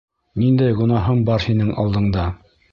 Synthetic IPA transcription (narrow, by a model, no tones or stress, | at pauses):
nind̪æjɡŏnɑɦɤmbɑɾhinɘŋɑ̰lˠd̪ɤ̆ɴd̪ɑ